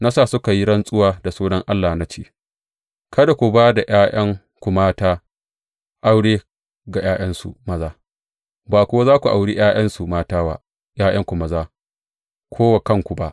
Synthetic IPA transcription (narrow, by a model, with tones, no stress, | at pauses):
na˦sa˦˨sʊ˦ka˨ji˦ɽɐ˦nsʼʊ˦waː˦da˨suː˦nɐ˦ŋʔa˦lːaː˨na˦t͡ʃeː˦˨ | kɐ˦da˨kʷu˨baː˦da˨jaː˦j̰ɐ˦ŋ | kʷu˨maː˦taː˦ | ʔa˦wɽeː˦ | ɡa˨jaː˦j̰ɐ˦nsṵ˨mɐ˦zaː˦ | baː˨kʷʊ˦wa˦zaː˦kʷu˨ʔa˨wɽi˦j̰aː˦j̰ʔɐ˦nsu˨maː˦taː˦wa̰˦ | jaː˦j̰ɐ˦ŋkʷu˨mɐ˦zaː˦ | kʷʰoː˦wa˨kɐ˦ŋkʷu˨ba˦ʔ